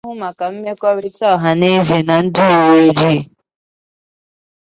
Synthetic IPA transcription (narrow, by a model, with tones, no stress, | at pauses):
ɦʊ˦ma˨ka˨m̩˦me˦kʷɔ˦ɾi˦tɔ˦˨ɦa˨ne˦ve˨na˨n̩˦dʊ˦o˨we˦d͡ʒi˦